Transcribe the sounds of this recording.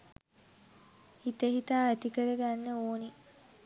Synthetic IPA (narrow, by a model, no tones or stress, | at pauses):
hit̪eɦit̪aːæt̪ikəɾəɡænːəoːni